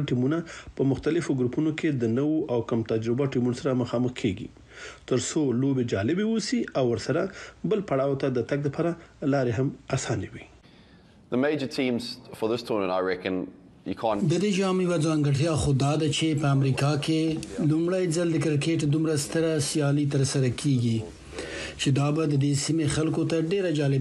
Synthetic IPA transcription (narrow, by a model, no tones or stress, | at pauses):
ʈimunapəmʊxt̪alɪfoɡɾupunokʰed̪ənəwoʔawkamt̪ad͡ʒɾɪbaʈimunosaɾaməxɑməxkʰeɡḭ | t̪əɾsolobed͡ʒɑlɪbewosiawːəɾsaɾabəlpaɽɑwt̪ad̪ət̪aɡ̚d̪ləpʰɑɾalɑɾeɦamasɑnewi | ðəmeɪd͡ʒətʰĩːmz̥fəðɪstʰuːnə̃naɪɹɛkə̃n | jə̰kʰɑ̃nd̪əd̪ed͡ʒɑmjwad͡zɑŋɡaʈjɑxod̪ɑd̪at͡ʃepəamɾikɑkelumɽajd͡zald̪əkɪɾkeʈd̪umɾast̪əɾasjɑlit̪̬əɾsaɾakʰeɡi | t͡ʃed̪ɑbad̪əd̪esimexalkot̪aɖeɾad͡ʒɑlɪb